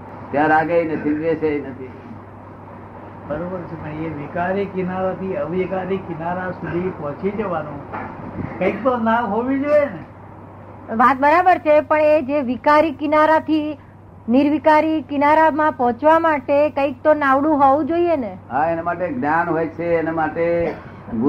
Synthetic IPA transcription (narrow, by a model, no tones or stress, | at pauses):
t̪jãɾaɡejnet̪iʋet͡ʃʰenət̪ʰi | bəɾobəɾt͡ʃʰemãeʋikaɾikinaɾat̪iəʋikaɾikinaɾasud̪ʱipɔt͡ʃid͡ʒəʋanũ | kə̃ik̚t̪onaɦoʋid͡ʒoene | ʋat̪̚bəɾabəɾt͡ʃʰepəɳed͡ʒeʋikaɾikɪnaɾat̪ʰi | niɾʋikaɾikɪnaɾamãpɔɦɔ̃t͡ʃʋamaʈekə̃ik̚t̪onaʋɽũɦɔʋũd͡ʒoieneɦaenamaʈeɡnjanɦojt͡ʃʰeːnamaʈe | ɡu